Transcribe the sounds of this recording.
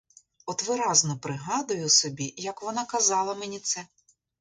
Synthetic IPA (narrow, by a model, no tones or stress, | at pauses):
ɔt̪ʋɪɾɑznɔpɾɪɦɑd̪ʊjʊsɔbʲijɐkʋɔnɑkɐzɑlˠɐmenʲit̪sɛ